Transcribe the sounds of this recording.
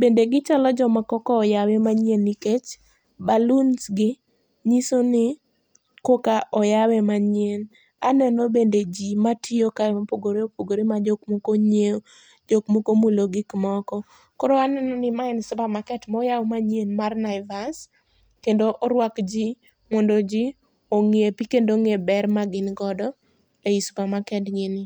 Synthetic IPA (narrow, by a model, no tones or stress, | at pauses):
bendeɡɪt͡ʃalɔd͡ʒɔmakɔkɔːjawɛmaɲjeniket͡ʃ | balunsɡɪ | ɲisonɪ | kokaʔɔjawɛmaɲjen | anɛnɔbended͡ʒimatʰiokamapoɡoɾeopoɡoɾemad͡ʒɔkmokoɲe | d͡ʒokmokomuloɡikmɔkɔ | kɔɾoanɛnɔnɪmaɛnsʊpamakɛtmɔjawmaɲenmarnaɪvas | kendoʔɔɾwakd͡ʒi | mɔndod͡ʒi | oŋiepikendoŋebɛrmaɡɪnɡɔdɔ | eispamakɛtɲenɪ